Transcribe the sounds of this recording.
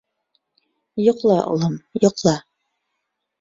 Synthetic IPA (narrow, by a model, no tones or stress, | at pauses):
jŏqlˠɑʔo̰lˠɤmjŏqlˠɑ